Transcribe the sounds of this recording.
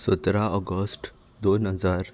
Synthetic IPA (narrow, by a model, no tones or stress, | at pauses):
sət̪ɾaɔɡəsʈ | d̪onɦəd͡zaːɾ